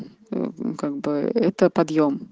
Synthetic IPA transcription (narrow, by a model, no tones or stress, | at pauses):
kakbəɛt̪əpad̪jɔm